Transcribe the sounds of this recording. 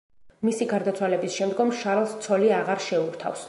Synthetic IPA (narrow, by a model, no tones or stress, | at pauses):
misiɡaɾd̪at̪sʰwalɛbisʃɛmd̪ɡɔmʃaɾlˠst̪sʰɔliaʁaɾʃɛuɾt̪ʰa̰fs